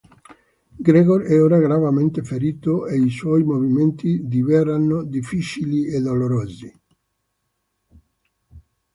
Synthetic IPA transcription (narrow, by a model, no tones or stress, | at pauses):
ɡɾeɣoɾɛoɾaɡɾavament̪efeɾit̪oeiswɔjmoviment̪id̪ivɛɾanːod̪ifit͡ʃilied̪oloɾozi